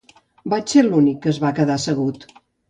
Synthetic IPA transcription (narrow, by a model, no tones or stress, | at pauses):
bat͡ʃselunikːəzβakəðasəɣut̪